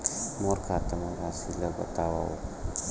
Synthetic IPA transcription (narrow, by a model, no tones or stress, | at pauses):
moɾkʰat̪amabasilabə̰t̪awao̰